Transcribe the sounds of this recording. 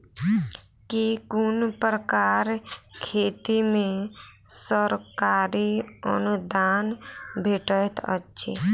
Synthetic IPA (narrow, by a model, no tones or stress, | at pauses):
kikʊnpɾəkaːɾkʰeːt̪imẽsəɾkaːɾiə̰nud̪aːnbʱeːʈət̪ʰə̰tːʃʰḛ